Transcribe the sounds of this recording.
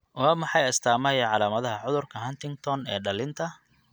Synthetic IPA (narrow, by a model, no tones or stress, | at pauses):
waːmɑħɑjɐst̪ʰaːmɐjɐʕɑlaːmɐðɐɦɐʕʊðʊrkʰɐɦɐnt̪ɪŋɡt̪ʰɔnɛːɖɐlɪnt̪ʰɐ